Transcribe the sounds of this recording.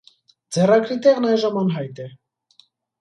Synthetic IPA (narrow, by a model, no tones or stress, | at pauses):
d͡zɛrɑkɾit̪ɛʁnɑjʒəmɑnɦɑjt̪ɛ